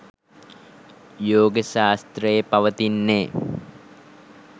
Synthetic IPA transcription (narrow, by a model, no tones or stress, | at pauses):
joːɡəʃaːst̪rəjepɐʋət̪inːeː